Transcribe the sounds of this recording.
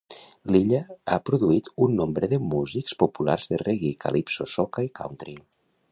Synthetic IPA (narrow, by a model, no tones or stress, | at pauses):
liʎaa̰pɾuðuit̪unːombɾəðəmuzikspopula̰ɾzðəreɣikʰa̰lipsosokaikʰa̰wnt̪ɾi